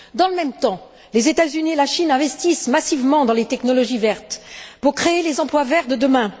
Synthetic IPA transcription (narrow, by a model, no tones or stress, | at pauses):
d̪ɑ̃ləmɛmt̪ɑ̃ | lezet̪azynielaʃinɛ̃vɛst̪ismasivmɑ̃d̪ɑ̃let̪ɛknɔlɔʒivɛʁt̪puʁkχeelezɑ̃plwavɛʁt̪d̪əd̪əmɛ̃